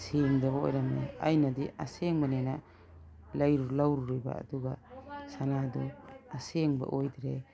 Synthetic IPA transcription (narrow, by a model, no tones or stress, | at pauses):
seŋdɐbɐo̰jɾamḛa̰jnɐdiʔa̰seŋbɐnena | lajɾulawɾuɾiba̰ːduɡasanadɔaseŋba̰ʔojdɾe